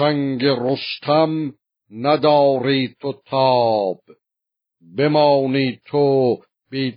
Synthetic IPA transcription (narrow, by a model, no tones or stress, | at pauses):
æŋɡeɾost̪ʰam | næd̪ɒːɾiːt̪ʰot̪ʰɑːb̥ | bemɑːniːt̪ʰo | biː